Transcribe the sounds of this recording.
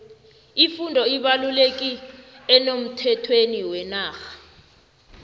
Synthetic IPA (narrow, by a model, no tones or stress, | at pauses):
ifundʱɔiɓalulek̬ʼiɛnom̩tʰɛtʰweniwɛnaːxḁ